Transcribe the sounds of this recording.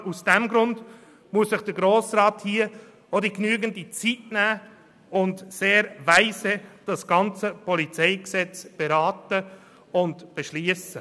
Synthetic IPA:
usd̥ɛmɡɾʊnd | muəssɪχd̥əɾɡɾoːsɾɑːthiə | ɔdiknyːəɡən̩dit͡sitnæː | ʊndseːɾvæɪsəd̥ɑsɡ̥ɑnt͡səpɔlit͡sɛɪksɛt͡sb̥eɾɑːtə | ʊndb̥eʃliəsə

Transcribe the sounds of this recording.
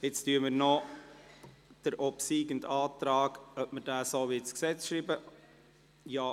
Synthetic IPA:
ɪt͡styːəməɾnɔ | d̥əɾʔɔpsiːɡəntɑːtɾɑːɡœpməɾd̥æːsoːʋitsksɛt͡sʃɾiːbə | jɑː

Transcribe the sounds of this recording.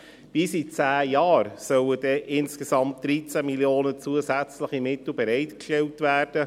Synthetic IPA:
b̥isit͡sæːjɑːɾsœwəd̥ɛʔɪnskesɑmt̚d̥̪ɾit͡sæmiljoːnət͡suəsæt͡sləχimɪt̪l̩ˠbɛɾɛɪtkʃtɛltvæːrd̥ə

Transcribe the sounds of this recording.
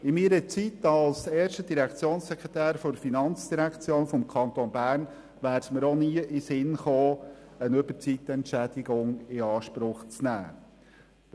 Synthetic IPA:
ɪmiːɾət͡sit̪ɑlsɛːɾʃtədiɾækʰt͡sjoːnsːɛkɛt̪æːɾfɔɾfinɑnt͡sd̥iɾækʰt͡sjoːnfɔmkʰɑnt̪onbæːrn | ʋæːɾtməɾoniəʔɪsɪnχoːənɵbəɾt͡sit̪ːɛntt͡ʃæd̥̪ɪɡʊŋɪɑːʃpɾʊχt͡snæ̰ː

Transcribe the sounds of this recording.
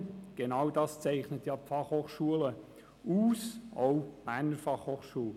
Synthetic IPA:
ɡ̥enɑwdɑːst͡sɛɪχnətjɑːpfɑχhoːχʃuələ | uːsoʊmænəɾfɑχhoːχʃuːl

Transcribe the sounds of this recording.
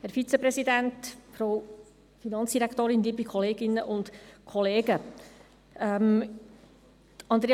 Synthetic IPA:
hæɾfit͡sɛpɾɛsidæntfɾo | finɑnt͡sd̥iɾækt̪oːɾɪnd̪iːbikʰɔleːɡɪnːəʔʊntkʰɔleːɡə | ɛm | tɑnd̪ɾe

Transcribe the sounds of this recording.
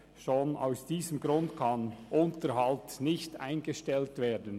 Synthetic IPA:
ʃoːna̰ʊsd̥iːzəmɡɾʊndkʰɑnʔʊntəɾɦɑltnɪçta̰ɪnɡəʃtɛltv̥eːdn̩

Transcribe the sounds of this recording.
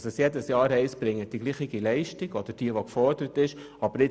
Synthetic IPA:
səsjɛdəsjɑːɾhɛɪsb̥ɾɪŋːət̚d̥iɡliːχɪɡilɛɪʃtɪɡɔd̥əɾd̥iəʋokfɔɾd̥əɾətɪʃ | ɑb̥əɾɪ

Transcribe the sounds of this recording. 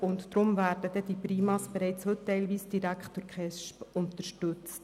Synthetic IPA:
ʊntːɾʊmvæːɾdəd̥̪ɛd̥̪ipɾiːmɑsb̥eɾɛɪt͡shɵttːɛɪlʋiːsd̥iɾækχtd̥ʊɾkχɛʃpʊnt̪əɾʃtɵt͡st

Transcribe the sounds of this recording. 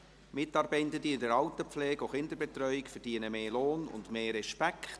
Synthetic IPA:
mɪtɑːɾbɛɪtəd̥iɪndəɾɑwtəpflɛːɡoχɪnd̪əɾbɛt̪ɾœʏɪkfɛɾd̥iənəmeːloːnʊ̰ndmeːɾɛʃpækχt

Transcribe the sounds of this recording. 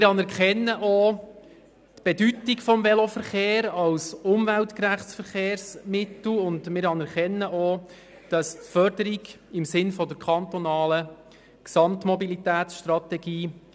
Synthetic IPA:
ɪɾɑnɛɾkɛnːəʔo | tb̥edytikfɔmvɛlofəɾχeːɾɑwsʊmvæltkræχtt͡sfəɾχeːɾsmɪtl̩ʊndmɪɾɑnɛɾkɛnːəʔo | d̥ɑstfœɾdəɾiɡɪmsɪnfɔdəɾkʰχɑnt̪ɔnɑːlə | ksɑmtmɔbilit̪æːt̪sʃtrɑt̪ɛɡiː

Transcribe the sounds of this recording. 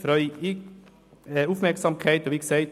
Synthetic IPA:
fɾœʏ | ʊpmɛɾksɑmkʰeɪt̪oːʋɪksæɪ

